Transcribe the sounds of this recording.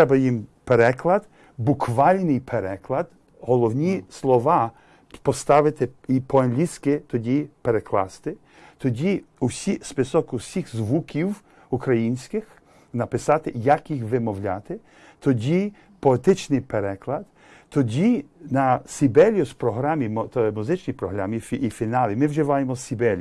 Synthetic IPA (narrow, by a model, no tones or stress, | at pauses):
t̪ɛbɐjimpeɾɛklˠɐd̪ | bukʋɑlʲnɪjpʰeɾɛklˠɐd̪ | ɦɔlˠɔwnʲislˠɔʋɑ | pɔst̪ɑʋɪt̪ɪipʰɔɐnlʲisʲkɪt̪ɔdʲipeɾeklˠɑ̰st̪ɪ | t̪ɔdʲiusʲispɪsɔkʊsʲixzʋukʲiw | ukɾɐjinʲsʲkɪx | nɐpɪsɑt̪ɪjɐkjixʋɪmɔwlʲat̪ɪ | t̪ʰɔdʲi | pɔet̪ɪt͡ʃnɪjpeɾɛklˠɐd̪ | t̪ɔdʲinɐsʲibɛlʲjʊspɾɔɦɾamʲimt̪ɔɛmuzɪt͡ʃnʲijpɾɔɦɾamʲifːfʲinɑlʲˠimɪwʒɪʋɑjemɔsʲibɛlʲj